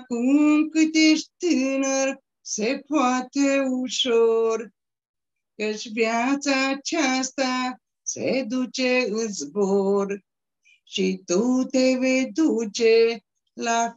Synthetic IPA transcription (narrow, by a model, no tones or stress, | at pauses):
kumkɨt̪eʂt̪inəɾ | sepʰɔt̪ʰeuɕoɾ | kət͡ʃʋjat͡sat͡ʃʰast̪a | sḛd̪ut͡ʃeɨt͡sboɾ | ʃit̪ut̪eʋed̪ut͡ʃe | la